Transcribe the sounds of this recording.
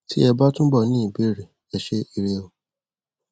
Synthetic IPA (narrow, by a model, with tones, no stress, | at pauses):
ti˦ɛ˧ba˦tũ˦bɔ˦˨nĩ˦i˦˨be˨˦ɾe˨ | ɛ˨ʃe˦i˧ɾe˧o˧